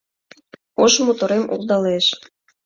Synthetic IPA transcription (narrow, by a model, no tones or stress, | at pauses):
oʃmot̪oɾemṵld̪ɑleʃ